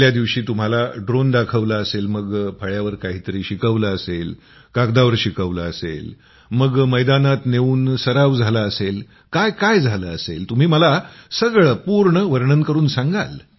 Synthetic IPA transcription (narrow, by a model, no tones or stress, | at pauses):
ljad̪iʋɕiːt̪um̤alaɖɾond̪akʰəʋlaəselməɡpʰəɭjaʋəɾkaɦiːt̪əɾiːɕikəʋləəsel | kakd̪aʋəɾɕikəʋləəsḛl | məɡməjd̪anat̪neʋuːnsəɾaʋd͡zʱalaəsel | kajkajd͡zʱaləəsḛlt̪um̤iːməlasəɡɭəpuɾɳəʋəɾɳənkəɾuːnsãŋɡal